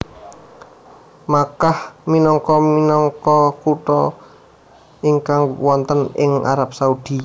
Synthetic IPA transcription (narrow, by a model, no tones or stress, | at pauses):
makahminɔŋkɔminɔŋkɔkuʈɔ | iŋkaŋwɔnt̪ənɪŋa̰ɾap̚saud̪̥i